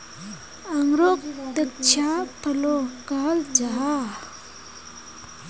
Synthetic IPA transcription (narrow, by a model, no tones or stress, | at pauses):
aŋɾok̚t̪ək̚t͡ɕʰapʰəlokaːld͡ʒaa